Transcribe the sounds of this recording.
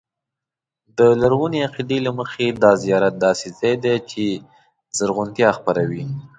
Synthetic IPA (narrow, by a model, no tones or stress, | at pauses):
d̪əlaɾɣuneaqid̪elaməxed̪ɑzijɑɾat̪̚d̪ɑsezajd̪et͡ʃe | zəɾɣʊnt̪jɑxpaɾawi